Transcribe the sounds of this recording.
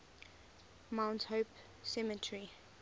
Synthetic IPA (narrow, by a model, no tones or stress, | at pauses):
mãʊ̃nthoʊp | sɛmətʰɹi